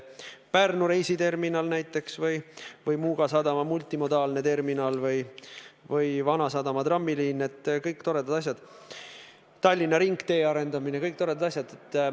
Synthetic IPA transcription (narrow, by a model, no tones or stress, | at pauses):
pærnuɾe̞jsit̪e̞rminɑlnæjt̪ːˑe̞ksvɤjvɤjmuːɡ̥ɑsɑd̪ɑmɑmult̪ːˑimo̞d̪ɑːlne̞t̪e̞rminɑːlvɤjvɤjvɑnɑsɑd̪ɑmɑt̪rɑmːiliːnːet̪ːˑkɤjkt̪o̞ɾe̞d̪ɑd̪̥ɑs̬ʲjɑd̪̥ | t̪ɑlʲːinɑɾiŋɡt̪e̞ːɑɾe̞nd̪ɑminekɤjk̚t̪o̞ɾe̞d̪ɑd̪ɑs̬ʲjɑd̪et̪ː